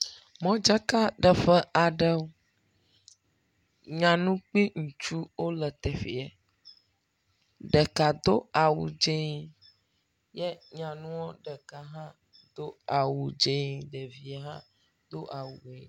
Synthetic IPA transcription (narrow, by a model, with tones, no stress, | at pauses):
mɔ̃˦d͡ʒa˦ka˦ɖə˨ɸə˦a˨ɖə˦wo˦ | ɲã˨nũ˦k͡pi˦ŋũ˨t͡ʃu˦wo˦lə˨t̪ɛ˨fḭ˨ɛ˨ | ɖə˨ka˨d̪o˦a˨wṵ˨d͡ʒe˦ɲ˦ | jɛ˦ɲã˨nũ˦wo˦ɖə˨ka˨ɦã˦ | d̪o˦a˨wu˨d͡ʒe˦ɲi˨ɖə˨vi˨a˨ɦã˦ | d̪o˦ʔa˨wu˨e˨